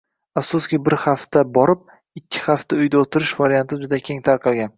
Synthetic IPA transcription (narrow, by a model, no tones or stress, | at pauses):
afsʊskʲɪbɪɾχaft̪abɒɾɪp̚ | ɪkʲʰːɪ̥χaft̪aʊjd̪aot̪ʰɪɾɪʃvaɾijant̪ʰɪd͡ʒʊd̪akʲʰe̞ŋt̪ʰaɾqʰɑlˠɡʲan